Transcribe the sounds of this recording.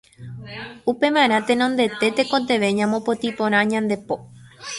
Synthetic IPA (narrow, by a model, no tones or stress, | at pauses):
upe̞mãɾ̃ãt̪e̞nõnd̪e̞t̪e̞t̪ekot̪̬e̞ʋe̞ɲãmõpo̞t̪ipõɾ̃ãɲãnd̪e̞po̞